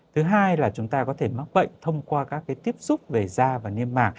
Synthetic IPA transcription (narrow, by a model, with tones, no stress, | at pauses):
t̪ʰɨ˨˦ɦaː˧jlaː˨˩t͡ɕʊ˨˦ŋ͡mt̪aː˧kɔ˨˦t̪ʰe˧˩ma˦˥k̚ɓə̰˧˨jŋ̟t̪ʰə˧wŋ͡mkwaː˧kaː˦˥kːaː˨˦jt̪i˦˥əp̚sʊ˦˥k͡p̚ve˨˩zaː˧vaː˨˩ni˧əmmaː˨˩k̚